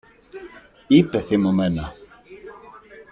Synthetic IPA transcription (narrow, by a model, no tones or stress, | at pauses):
ipɛθemɔmɛna